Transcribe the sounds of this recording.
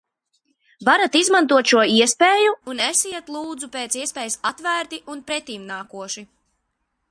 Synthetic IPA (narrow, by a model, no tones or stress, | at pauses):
vaɾat̪izmãnt̪uɔt̪ʃuɔiɛspeːjuunesiɛt̪lˠuːd̪zupeːt̪siɛspɛːjsat̪væːɾt̪iʔunpɾɛt̪iːmnaːkuɔʃi